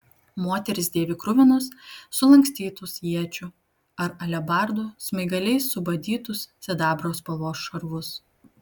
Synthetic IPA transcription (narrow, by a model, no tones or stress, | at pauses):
moːt̪ʲɛɾʲɪsd̪ʲeːʋʲɪkɾʊʋʲɪnʊsːʊlˠɐŋʲksʲt̪ʲiːt̪ʊsjiɛt͡ʃʲʊ | ɐɾɐlʲɛbɑˑɾd̪uːsmɐɪɡɐlʲɛɪsːʊbɐd̪ʲiːt̪ʊssʲɛd̪ɑːbɾoːspɐʋoːsʃɐɾʋʊs